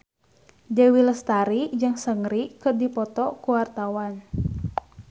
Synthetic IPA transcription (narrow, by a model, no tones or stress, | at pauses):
dəwiləst̪aɾid͡ʒɨŋsəŋɾikɨrdipɔt̪ɔkuwart̪awan